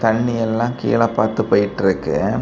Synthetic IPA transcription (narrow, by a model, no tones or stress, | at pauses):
t̪ɐɳːɪjɛlːãːkḭːlɐpːaːɾt̪ɯpoːjɪʈːɪɾɯkːɯ